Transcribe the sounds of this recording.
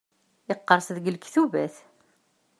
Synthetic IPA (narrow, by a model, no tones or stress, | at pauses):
ɪqːəɾˤsðɡəlkθuvæθ